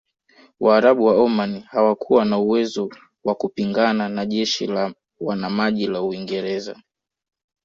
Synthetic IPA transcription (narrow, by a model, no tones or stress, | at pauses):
wʔaːɾaɓuwaɔmanihawakʰuwanauwɛzɔ | wakupiŋɡananaʄɛʃḭla | wanamaʄilauiŋɡɛɾɛza̰